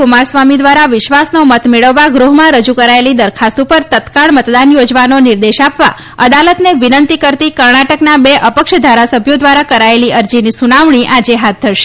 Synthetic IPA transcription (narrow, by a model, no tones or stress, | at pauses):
kʊmaɾsʋamid̪ʋaɾaʋɪʃʋasnomət̪meɭəʋːaɡɾuɦmãɾəd͡ʒukəɾaelid̪əɾkʰast̪upəɾt̪ət̪kaɭmət̪d̪anjod͡ʒʋanonɪɾd̪eʃapʋa̰ | əd̪alət̪neʋɪnənt̪ikəɾt̪ikəɾɳaʈəknabeʔəpəkʃd̪ʱaɾasəbʱjod̪ʋaɾakəɾaeliəɾd͡ʒinisunaʋɳ̃iʔad͡ʒeɦat̪̚d̪ʱəɾʃe̥